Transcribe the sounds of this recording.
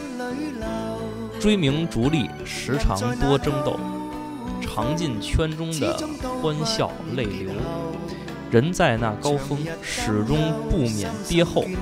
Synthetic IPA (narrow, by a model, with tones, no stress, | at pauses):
ʈ͡ʂwe˥ɪmi˧˥ŋʈ͡ʂu˧˥li˥˩ | ʂɻ̩˧˥ʈ͡ʂʰɑ̰˧˥ŋt̪wɔ˥ʈ͡ʂɤ˥ŋt̪o̰˥˩ʊ | ʈ͡ʂʰɑ˧˥ŋt͡ɕi˥˧nt͡ɕʰɥɛ˥nʈ͡ʂʊ˥ŋd̪ə̰˧˨xwa˥nɕjɑ̰˥˩ʊle˥˩ɪljo˧˥ʊ | ɻə˧˥nt͡sa˥˧ɪna̰˥˨˩kɑ˥ʊfɤ˥ŋ | ʂɻ̩˨˩ʈ͡ʂʊ˥ŋpu˥˩mjɛ̰˨˩nt̪jɛ˥xo˥˩ʊ